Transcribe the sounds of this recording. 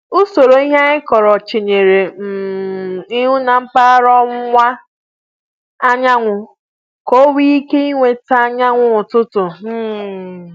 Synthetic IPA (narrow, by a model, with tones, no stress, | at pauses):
ʊ˦so˨ɾo˨i˦ɦa˦ɪ˦kɔ˨ɾɔ˨t͡ʃe˨ɲe˨ɾe˨m̩˨ | ɪ˦ɦʊ˦na˨ŋ͡m̩˦k͡pa˦ɾɔ˦ŋʷ˦ŋʷa˦ | a˦ɲa˦ŋʷʊ˨ | ko˦wi˦i˦ke˦i˦ŋʷe˨ta˦ɲa˦ŋʷʊ˦ʊ˨tʊ˦tʊ˨m̩˦˨